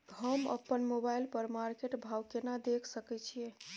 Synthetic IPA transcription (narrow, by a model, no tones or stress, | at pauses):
ɦəmə̰pːənmobailpəɾmaɾkeʈbʱawkenad̪ekʰsəkɛt͡ʃʰije